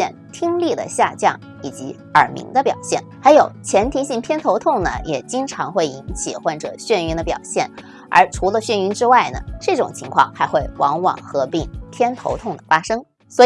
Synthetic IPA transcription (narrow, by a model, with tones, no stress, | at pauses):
ɛ˥˩nt̪ʰi˥ŋli˥˩d̪ə̰˩ɕja̰˥˧t͡ɕjɑ̰˥˩ŋ | i˨˩t͡ɕi˧˥ | ə˞˨˩mḭ˧˥ŋd̪ə˧pjɑ̰˨˩ʊɕjɛ̰˥˩nxa˧˥ɪjo˨˩ʊt͡ɕʰjɛ˧˥nt̪ʰi˧˥ɕi˥˩ŋt̪ʰjɛ˥nt̪ʰo˧˥ʊt̪ʰʊ˥˩ŋnə̰˩jɛ˨˩t͡ɕi˥ŋʈ͡ʂʰɑ˧˥ŋxwe˥˩ɪi˧˥nt͡ɕʰi˨˩xwɔ˥˩nʈ͡ʂɤ̰˨˩ɕɥɛ˥˩ny˧˥nd̪ə˧pjɑ̰˨˩ʊɕjɛ̰˥˩n | ə̰˞˧˥ʈ͡ʂʰu˧˥lə˧ɕɥɛ˥˩ny˧˥nʈ͡ʂɻ̩˥wa˥˩ɪnə̰˩ʈ͡ʂɤ˥˩ʈ͡ʂʊ̰˨˩ŋt͡ɕʰi˧˥ŋkʰwɑ̰˥˧˩ŋxa˧˥ɪxwe˥˩ɪwʔɑ˧˥ŋwɑ̰˨˩ŋxɤ˧˥pi˥˩ŋt̪ʰjɛ˥nt̪ʰo̰˧˥ʊt̪ʰʊ˥˩ŋd̪ə˩fa˥ʂɤ˥ŋ | swɔ˧˥